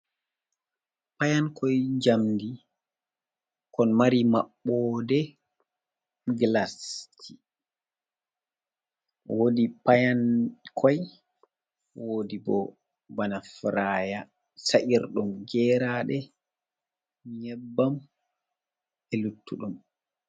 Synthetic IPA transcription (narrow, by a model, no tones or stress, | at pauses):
pajankʰɔjd͡ʒamdi | kɔnmaɾimaɓːɔdɛ | ɡlastʰi | wodipajankʰɔj | wodibɔ̰ | banafɾaːja | saʔiɾɗumɡɛɾaɗɛ | ɲɛbːam | ɛlutʰːuɗum